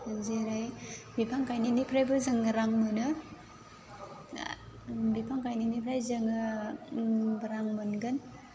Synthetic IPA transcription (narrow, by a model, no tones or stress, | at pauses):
zeɾajbipʰaŋkʰajninipʰɾajbɯzaŋɾaŋmɯnɯ | bipʰaŋkajninipʰɾajzaŋɯ | bɯɾaŋmɯnɡɯn